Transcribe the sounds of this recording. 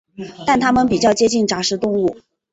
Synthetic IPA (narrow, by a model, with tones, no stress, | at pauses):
t̪a˥˩nt̪ʰa˥mə˨npi˨˩t͡ɕjɑ˥˩ʊt͡ɕjɛ˥t͡ɕi˥˩nʈ͡ʂa˧˥ʂɻ̩˧˥t̪ʊ˥˧ŋu˥˩